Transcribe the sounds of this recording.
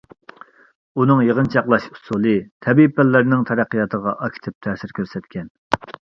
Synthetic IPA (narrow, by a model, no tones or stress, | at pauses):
unɨŋjəʁnt͡ʃʰɑqlˠɑʃusulˠɨt̪ʰɛbipːælːæɾnɪŋt̪ʰɛɾæqːijɑt̪ʰəʁɑʔɑkʲʰi̥t̪ʰɪp̚t̪ʰɛːsɪɾkʲʰøɾsɛt̪kʲʰɛn